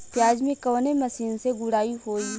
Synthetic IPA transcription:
pjaːd͡ʒmẽkɐːnemɐsiːnseɡʊɽaːiɦoːi

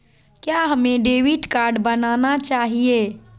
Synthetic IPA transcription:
kjaɦəmẽɖeːʋiʈkaːɾɖbənanat͡ʃaːɦie

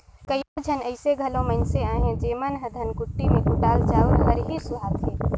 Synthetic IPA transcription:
kəjod͡ʒʱɐnəɪseɡʱɐlõməɪnseaːɦẽd͡ʒeːmənɦəd̪ʱɐnkʊʈːimẽkʊʈaːld͡ʒaːuɡʱəɾɦisʊɦaːt̪ɦẽː

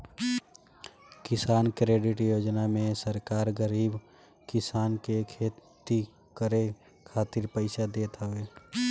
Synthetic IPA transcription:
kɪsaːnkɾeːɖɪʈjoːd͡ʒnamẽsəɾkaːɾɡəɾiːb | kɪsaːnkekʰeːt̪i | kəɾe | kʰaːt̪ɪɾpəɪsad̪eːt̪aɦʊeː

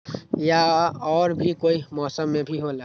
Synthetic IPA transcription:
jaɔːɾbʱikoːimɔːsəmːẽbʱiɦola

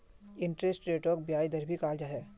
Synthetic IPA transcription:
ɪɳʈɾesʈɾeːʈoːk̚bijaːid̪ɐɾbʱikaːld͡ʒaɦɛː

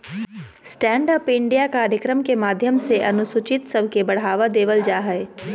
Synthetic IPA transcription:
sʈɛ̃ːɳɖəpɪ̃ɳɖijakaːɾjəkɾəmkemaːd̪ʱjəmseʔɐnʊsʊt͡ʃɪt̪sɐbʱkebɐɽ̤aːʋad̪eːʋəld͡ʒaːɦɛe

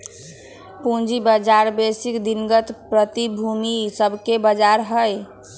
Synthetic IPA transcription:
pũd͡ʒibəd͡ʒaɾbesikd̪inɡət̪pɾət̪ibʱumisəbʱkebəd͡ʒaɾɦəj

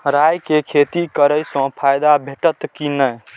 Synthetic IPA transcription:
ɾajkekʰet̪ikəɾəjsɔ̃pʰajd̪abʱeʈət̪kinə

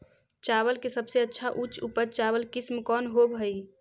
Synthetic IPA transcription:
t͡ʃabəlkesəbseətːʃʰaʔut͡ʃupəɾt͡ʃabəlkismkɔnɦobɦəj

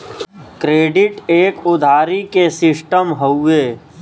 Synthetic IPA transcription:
kɾeːɖɪʈeːkʊd̪ʱaːɾikesɪsʈəmɦəueː

